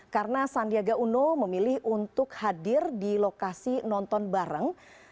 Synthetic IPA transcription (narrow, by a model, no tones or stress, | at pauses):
kaɾənasandiaɡaʔunoməmilɪhʔunt̪ʊkhadɪrdilokasinɔnt̪ɔnbaɾəŋ